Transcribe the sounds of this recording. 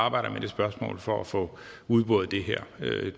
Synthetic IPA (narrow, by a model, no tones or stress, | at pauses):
ɑ̈ːb̥ɑ̈ɪ̰ɾ̥ɐmed̥e̝sb̥ɶɐsmɔ̰̽ːlˠfɒ̽æfɔ̽ | uð̞ˠb̥ɔːð̩ˠd̥e̝ɦæɐ̰ø